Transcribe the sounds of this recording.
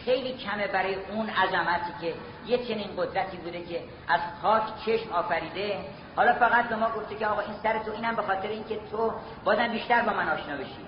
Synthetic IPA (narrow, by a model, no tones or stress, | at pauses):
xe̞jliːcʰæme̞bæɾɒːjeʔunæzæmæt̪ʰiːcʰe̞ | je̞t͡ʃʰe̞niːnɢod̪ɾæt̪ʰiːbuːd̪e̞cʰe̞ | ʔæzpʰɒːkʰt͡ʃʰe̞ʃmɒːfæɾiːd̪e̞ | hɒːlɒːfæɣæt̪̚be̞mɒːɡo̞ft̪eceɒːɣɒːinsæɾet̪ʰo̞iːnæmbe̞xɒːt̪ʰeɾeinkʰe̞t̪ʰo | bɒːzæmbiːʃt̪æɾbɒːmænɒːʃnɒːbe̞ʃḭ